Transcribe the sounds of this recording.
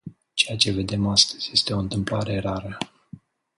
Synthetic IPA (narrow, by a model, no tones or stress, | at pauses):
t͡ʃejat͡ʃe̞ve̞d̪e̞mast̪ə̥z̥ʲje̞st̪e̞o̞ɨnt̪ɨmplaɾe̞raɾə